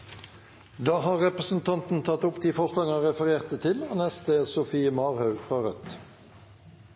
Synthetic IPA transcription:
d̪ɑːhɑːʁʁɛpʁəsn̩t̪ʰɑnt̪n̩t̪ʰɑt̪ʊpd̪iːfɔʁslɑɡɑʁɛfəʁeːʁt̪ət̪ʰɪloːnɛst̪esʊfiːəmɑːʁhɑʉfʁɑːʁœt̪

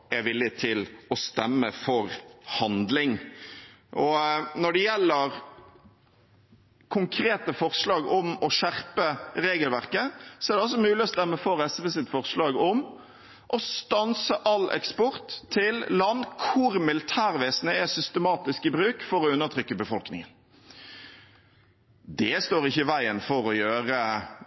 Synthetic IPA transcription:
ɛʋɪlːɪt̪ʰɪlɔst̪ɛmːəfɔɾhɑnd̪lɪŋ | ʔɔnɔɖɛjɛlːəɾ | kʰʊŋkʰɾeːt̪əfɔʁslɑːɡɔmɔʃæɾpəɾeːɡəlʋæʁkəsɔɛæɾɖ̪ɛɔlsɔmʉːlɪɔst̪ɛmːəfɔɾɛsʋəsɪt̪fɔʁslɑːɡɔm | ʔɔst̪ɑnsəʔɑlɛ̰kspɔɾt̪ʰːɪllɑnkʰʊɾmɪlɪt̪ʰæːʁʋeːsənəɛsʏst̪əmɑːt̪ɪskɪbɾʉːkfɔɾɔʉnːəʁt̪ʰɾʏkːəbəfɔlknɪ̰ŋən | d̪ɛst̪oːɾɪçːəɪʋæɪənfɔɾɔjøːʁə

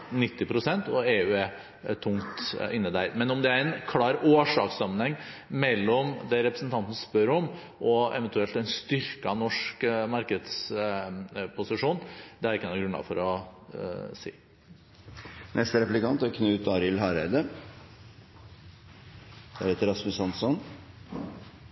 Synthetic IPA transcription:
nɪt̪ːɪpʰɾʊsɛnt̪ɔeːʉːɛ | t̪ʰʊŋt̪ɪnːəd̪æɪd̪mɛnɔmd̪ɛæɾɛnkʰlɑːɾoːʂɑ̰ːksɑmːənhɛŋːmɛlːɔmd̪ɛɾɛpɾəsnt̪ʰɑnt̪ənəspœɾɔm | ʔɔɛ̰ʋənt̪ʉɛlt̪ɛnst̪ʏɾkɑnɔʂkmɑɾkəd̪s | pʰʊsɪʂuːnd̪ɛæɾɪkːnɑɡɾʉnɑ̰fɔɾɔ | sḭː | nʔɛst̪əɾɛplɪkɑnt̪ækʰnʉːt̪ɑːɾɪlɦɑːɾæɪd̪ə | d̪̥æɾɛt̪ːəɾɑsmʉsɑnsɔn

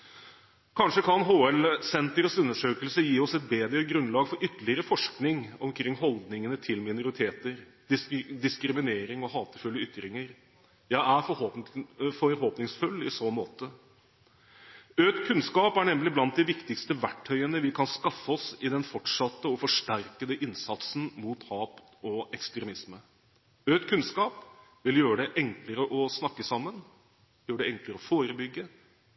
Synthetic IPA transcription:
kʰɑnʂəkʰɑnɦoːɛlsɛnt̪əɾəsʉnːəʂøːkəlsəjiːɔsɛt̪̚beːd̪ɾəɡɾʉnlɑːɡfɔɾʔʏt̪ːəlɪəɾəfɔʂknɪŋɔmkʰɾɪŋːɦɔld̪nɪŋənət̪ʰɪlmɪnʊɾɪt̪ʰeːt̪əɾ | d̪ɪd̪ɪskɾɪmɪneːɾɪŋɔɦɑːt̪əfʉlːəʏt̪ːɾɪŋəɾ | jæɪæfɔ | fɔɾhoːpnɪŋsfʉlːɪsɔmoːt̪ə | øːt̪kʰʉnskɑːpæɳɛmlɪblɑnt̪̚d̪ɪʋɪkt̪ɪkst̪əʋæʈʰːœʏənəʋɪkʰɑnskɑfːəɔsɪd̪ɛnfɔʈʂɑt̪ːəɔfɔʂʈæɾkəd̪əʔɪnsɑt̪sn̩muːt̪hɑːp | ɔɛkst̪ɾɛmɪsmə | øːt̪kʰʉnskɑːpʋɪljøːɾəɖ̪ɛʔɛŋkləɾəʔɔsnɑkːəsɑmːən | jøːəɖɛɛŋkləɾəɔfoːɾəbʏɡːə

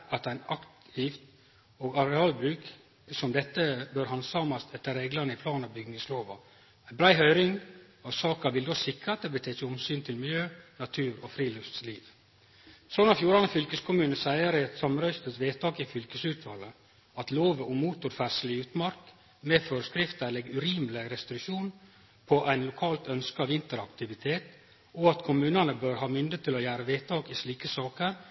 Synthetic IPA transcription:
ɑt̪æɪnɑkt̪ɪft̪ | oːɡɑɾɛɑːlbɾʉːk | sɔmd̪ɛt̪ːəbøːɾhɑnsɑːmɑst̪ɛt̪ːəɾeːɡlɑnəɪpʰlɑːnɑʋbʏɡnɪŋsloːʋɑ | æɪbɾæɪɦœʏɾɪŋ | ɔsɑːkɑʋɪld̪osɪkɾəɑt̪̚d̪ɛbət̪ʰeːt͡ʃəʊmsyːnt̪ʰɪlmɪljøːnɑt̪ʰʉːɾɔfɾiːlʉst̪sliːʋ | sɔnɑfjuːɾɑnəfʏlkəskʰʊmʉːnəsæɪəɾɪɛt̪sɑmɾœʏst̪ət̪ʋeːt̪ʰɑːkɪfʏlkəsʉːt̪ʋɑlə | ɑt̪loːʋəʔɔmuːt̪ʊɾfæʂəlɪʉːt̪mɑɾk | mɛføːɾəskɾɪft̪əlɛɡʉɾiːmlɪɾɛst̪ɾɪkʃuːn | pʰɔʔæɪnlʊkʰɑːlt̪œnskəɑʋɪnt̪əɾɑkt̪ɪʋɪt̪ʰeːt̪ | ɔɑt̪kʰʊmʉːnənəbøːɾhɑːmʏnd̪ət̪ʰːɪlɔjæːɾəʋeːt̪ʰɑːkɪsliːkəsɑːkəɾ

